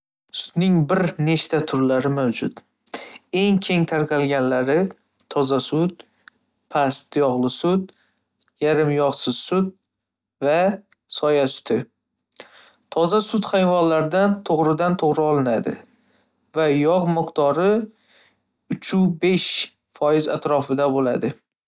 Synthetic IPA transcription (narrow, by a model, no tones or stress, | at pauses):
sʊ̥d̪nɪŋbɪɾne̞ʃt̪ʰat̪ʰʊɾlaɾɪmawd͡ʒʊt̪ | e̞ŋkʲʰe̞ŋt̪ʰaɾqʰɑlɡʲanlaɾɪ | t̪ʰɒzasʊt̪ | pʰast̪jɒʁlˠɪsʊt̪ | jaɾɪmjɒʁsɪz̥sʊd̪̚ | va | sɒjasʊ̥t̪ʰɪ | t̪ʰɒzasʊt̪χajvɒnlaɾd̪ant̪ʰoʁɾɪd̪ant̪ʰoʁɾɪɒlˠɪnad̪ɪ̰ | vajɒʁmɪqt̪ʰɒɾɪ | ʊt͡ʃʰubeʃ | fɒjɪza̰t̪ɾɒfɪd̪abolad̪ɪ